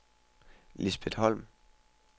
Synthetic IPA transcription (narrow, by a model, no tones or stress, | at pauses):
lisb̥ed̥hɒ̽l̰m